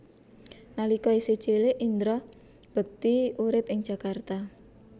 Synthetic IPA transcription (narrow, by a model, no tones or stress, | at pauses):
nalikɔise̥ʒ̥eleʔind̪ɾɔh | b̥ə̤k̚t̪iuɾɪpɪŋd̥ʒ̥a̤kart̪a